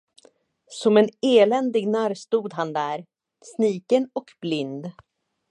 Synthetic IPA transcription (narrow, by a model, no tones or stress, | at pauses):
sɔmɛneːlɛnd̪ɪɡnæɾst̪uːd̪ɦand̪æːɾ | sniːkənɔkblɪnd̪